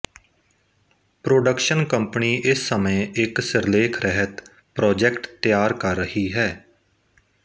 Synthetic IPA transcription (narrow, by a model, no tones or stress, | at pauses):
pɾoːɖəkʃənkəmpniːʔɪsːəmẽːʔɪksɪɾleːkʰɾəɦət̪ | pɾɔːd͡ʒɛːkʈt̪ɪjaːɾkəɾːəhiːɦɛː